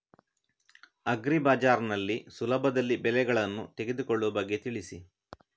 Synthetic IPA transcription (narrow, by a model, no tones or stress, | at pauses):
ɐɡɾibaːd͡ʒaːɾnɐlːisulɐbʱɐd̪ɐlːibɛlɛɡɐɭɐnːṵt̪e̞ɡe̞d̪ukoɭːuʋɐbɐɡːet̪iɭisi